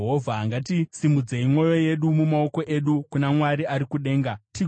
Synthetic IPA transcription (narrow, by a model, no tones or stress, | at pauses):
ɦovʱaɦaŋɡat̬isimud͡zeimwo̞jo̞je̞ɗumumao̞ko̞ʔe̞ɗukunamwaɾiaɾikuɗe̞ːŋɡati